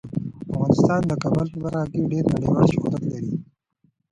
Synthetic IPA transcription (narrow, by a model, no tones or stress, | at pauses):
afɣɑːnɪst̪ɑːnd̪əkabalxbaɾaɡiɖeɾnaɽiwɑːlʃʊhuɾat̪laɾi